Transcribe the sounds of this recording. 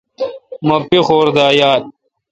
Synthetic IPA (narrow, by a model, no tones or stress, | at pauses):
mɐpixoːɾd̪aːjaːt̪̚